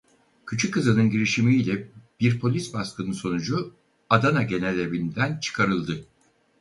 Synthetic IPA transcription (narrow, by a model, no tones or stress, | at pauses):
cʰyt͡ʃʰykʰːɯzɯnɯnɟiɾiʃimiilʲɛb̥iɾpʰo̞lʲisbaskɯnɯnso̞nud͡ʒu | ad̪anaɟe̞nelʲebind̪ænt͡ʃʰɯ̥kʰaɾɯlˠd̪ɯ